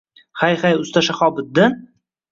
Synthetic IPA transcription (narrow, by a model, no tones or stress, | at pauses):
hajχajʊst̪ʰaʃaχɒbɪd̪ːɪn